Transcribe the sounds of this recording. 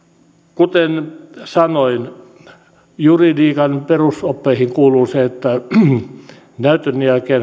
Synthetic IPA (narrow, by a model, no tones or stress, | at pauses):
kut̪ensɑnoin | juridiːkɑnperusopːeihiŋkuːluːseet̪ːæ | næyt̪ønːiælkeːn